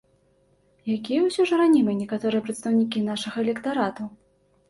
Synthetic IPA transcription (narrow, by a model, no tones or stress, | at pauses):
jakʲijɛwsʲɔʐɨɾanʲimɨnʲɛkat̪ɔɾɨjɛpɾɐt̪st̪ɐwnʲikʲinaʂɐɣɐɛlʲɛkt̪aɾat̪u